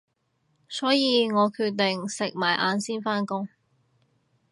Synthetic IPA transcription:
sɔː˨˥jiː˨˧ŋɔː˨˧kʰyː˧t̚t̪ɪ˨ŋsɪ˨k̚maː˨˩jʔa̰ː˨˧nsiː˥nfaː˥nkʊ˥ŋ

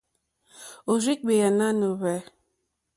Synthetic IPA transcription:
o˨ɾi˦k̚be˨ja˨na˦no˨βɛ˨˦

